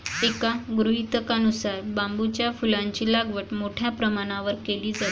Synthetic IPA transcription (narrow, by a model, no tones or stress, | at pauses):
ekaɡɾuɦit̪əkənusaɾbambut͡ɕjafulãɲt͡ɕiːlaɡʋəʈmoʈʰjapɾəmaɽ̃aʋəɾkeliːd͡zat̪